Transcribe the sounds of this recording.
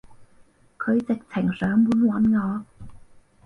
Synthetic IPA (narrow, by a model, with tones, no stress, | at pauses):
kʰɵ˨˧ɥt͡sɪ˨k̚t͡sʰɪ˨˩ŋsœː˨˥ŋmuː˨˥nwɐ˨˥nŋɔː˨˧